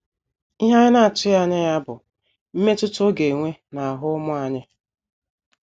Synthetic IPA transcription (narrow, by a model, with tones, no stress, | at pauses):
i˦ɦa˦ɲɪ˦na˦a˨t͡ʃɪ˦a˦ɲɪ˦ja˦bʊ˨ | m̩˦me˦tʊ˦to˦ɡe˨ŋʷe˦na˨a˨ɦʊ˦ʊ˦mʊ˦a˨ɲɪ˦